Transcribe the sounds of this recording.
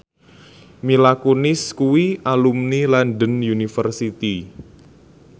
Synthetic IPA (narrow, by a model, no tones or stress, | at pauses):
milakunɪskuwiʔalumnilanɖənjunifərsit̪i